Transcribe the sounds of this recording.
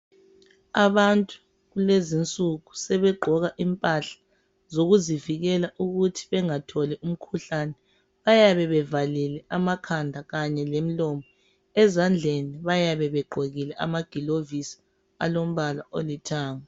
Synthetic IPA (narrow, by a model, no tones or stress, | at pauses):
aβantʼu̥ | ɣulezint͡sʼuɣusɛβɛɡ͡ǃʱɔɣaʔimpʼaɬḁ | zoɣuziviɣɛlaʔuɣutʰi̥βɛŋatʰɔlɛʔum̩kʰuɬanɛ | βajaβɛβɛvalilɛʔamakʰandʱaɣaɲɛlem̩lɔmɔ | ɛzand͡ɮʱeniβajaβɛβɛɡ͡ǃʱoɣilɛʔa̰maɡ̥ʱilovisi̥ | a̰lom̩βalaolitʰaːŋa